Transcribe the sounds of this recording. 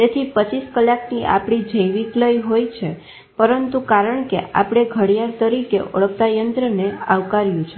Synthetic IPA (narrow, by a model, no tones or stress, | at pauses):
t̪et̪ʰipət͡ʃiskəlːakniʔa̰pɽ̃id͡ʒəjʋikləjɦojt͡ʃʰe | pəɾənt̪ukaɾəɳkḛʔa̰pɽ̃eɡʱəɽjaɾt̪əɾikḛʔo̰ɭək̚t̪ajənt̪ɾəneaʋkaɾjũt͡ʃʰe